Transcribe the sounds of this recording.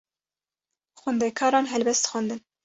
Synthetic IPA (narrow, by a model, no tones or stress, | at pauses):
xʊnd̪ɛkʰɑːɾɑːnɦɛlbɛst̪xɑnd̪ɨn